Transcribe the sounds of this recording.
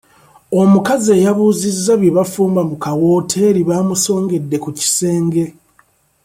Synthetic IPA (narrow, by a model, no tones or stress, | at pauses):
o̞mukaze̞ːjaβuːzizːaβjiβafuːmbamukawo̞ːtʰe̞ːɾiβaːmuso̞ːŋɡe̞dːe̞kuci̥se̞ːŋɡe̞